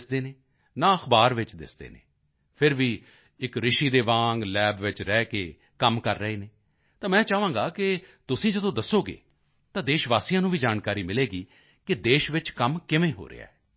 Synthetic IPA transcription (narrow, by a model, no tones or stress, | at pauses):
sd̪eːneː | nãːəxbaːɾʋɪt͡ʃd̪ɪ̰sd̪ḛːnḛː | pʰɪɾʋiː | ɪkɾɪʃiːd̪eːʋãːŋɡlɛːbʋɪt͡ʃɾɛːkeː | kəmkəɾːəɦeːneː | t̪ãːmɛ̃ːt͡ʃaːʋãːɡaːkɪt̪ʊsĩːd͡ʒəd̪õːd̪əsːoːɡḛː | t̪ãːd̪eːʃʋaːsijãːnũːʋiːd͡ʒaːnkaːɾiːmɪleːɡiː | kɪd̪eːʃʋɪt͡ʃkəmkɪʋẽːɦo̰ːɾɪ̰a̰ːɛː